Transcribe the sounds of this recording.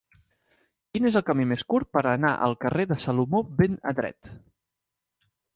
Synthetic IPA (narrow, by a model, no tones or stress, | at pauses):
kinezəlˠkəmimeskuɾ̚pəɾənaʔə̰lˠkəreðəsəlumobenə̰dɾɛ̰t̪